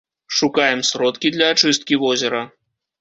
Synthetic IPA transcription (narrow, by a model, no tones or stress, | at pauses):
ʂukajɛmsɾɔt̪kʲid̪lʲɐːt͡ʂɨst̪̚kʲivɔzʲɛɾɐ